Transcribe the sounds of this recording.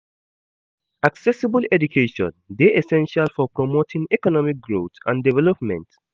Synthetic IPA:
ʔaksɛsibəlɛdukʰeʃɔ̰̃ndeʔesɛ̃nʃalfɔpɹɔmotʰĩŋɛkɔnɔmik̚ɡɹot̪ã̰ndivɛlɔpmɛ̰̃nt

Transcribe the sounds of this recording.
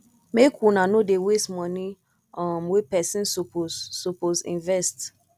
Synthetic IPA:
mekʰwunãnodewestmɔ̃ni | ɔmwipɛsĩnsoposːopozḭ̃nvɛst

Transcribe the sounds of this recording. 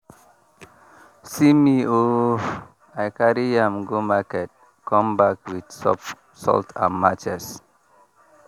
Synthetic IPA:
simio | ajkaɹiãmɡomakɛt̚ | kɔ̃mbakwid̪̥sɔp | sɔ̰ltʰã̰nmat͡ʃɛs

